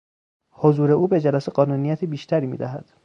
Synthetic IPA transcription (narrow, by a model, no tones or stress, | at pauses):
hozuːɾe̞ʔuːbe̞d͡ʒælæseɢɒːnuːnijæt̪ʰebiːʃt̪ʰæɾiːmḭːd̪æɦæd̪̥